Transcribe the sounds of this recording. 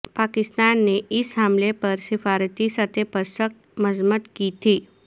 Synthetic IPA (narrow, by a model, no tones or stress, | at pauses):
pakɪst̪anːeɪsɦamlepəɾsɪfaɾət̪isat̪ʰepəɾʃək̚t̪məzmət̪kit̪ʰi